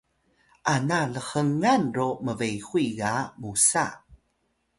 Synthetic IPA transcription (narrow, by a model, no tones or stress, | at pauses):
ʔanaləxəŋanroməvejxuiɡamusa̰